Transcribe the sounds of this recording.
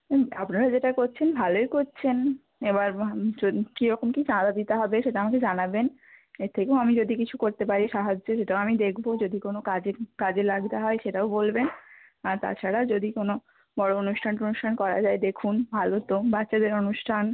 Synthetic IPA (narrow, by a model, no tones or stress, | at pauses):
apnaɾad͡ʑeʈakoɾt͡ɕʰenbʱaloekoɾt͡ɕʰen | ebaɾokiɾɔkomkit͡ɕãd̪ad̪it̪eɦɔbeʃeʈaamaked͡ʑanaben | eɾt̪ʰekeoamid͡ʑod̪ikit͡ɕʰukoɾt̪ep̬aɾiʃaɦad͡ʑːoʃeʈaoamid̪ekʰbod͡ʑod̪ikonokad͡ʑekad͡ʑelaɡd̪aɦɔeʃeʈaobolben | aɾt̪a̰t͡ɕʰaɾad͡ʑod̪ikono | bɔɽoonuʃʈʰanʈonuʃʈʰankɔɾa̰d͡ʑaed̪ekʰunbʱalot̪obatːɕad̪eɾonuʃʈʰan